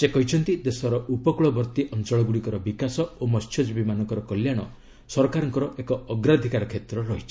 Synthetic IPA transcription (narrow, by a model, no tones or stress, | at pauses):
sekɔɦit͡ʃʰɔnt̪id̪esɔɾɔʔupɔkuɭɔbɔɾt̪iʔɔnt͡ʃɔɭɔɡuɽikɔɾɔbikasɔomɔstʰɔd͡ʒbimanɔŋkɔɾɔkɔljaɽ̃ɔ | sɔɾɔkaɾɔŋkɔɾɔʔekɔɔɡɾad̪ʱikaɾɔkʰet̪ɾɔɾɔɦit͡ʃʰi̥